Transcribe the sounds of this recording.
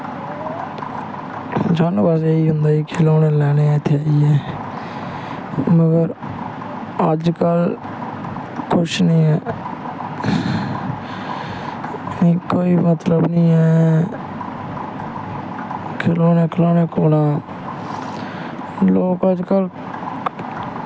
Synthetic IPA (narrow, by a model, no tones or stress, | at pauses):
d͡ʒaːnbaseːiːɦʊnd̪aːikʰɪloːnɛ̃ːlɛːneːt̪ʰːeaːiːɛː | məɡəɾ | əd͡ʒkəl | kʰʊʃnĩːɛː | nĩːkoːiːmət̪ləbnĩːɛː | kʰɪloːnɛːkʰɪloːnɛ̃ːkoːnaː | loːkəd͡ʒkəl